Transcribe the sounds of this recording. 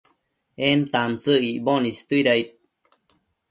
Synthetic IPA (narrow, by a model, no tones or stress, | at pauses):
ent̪ant͡səiʔbonist̪uiɾajt̪̚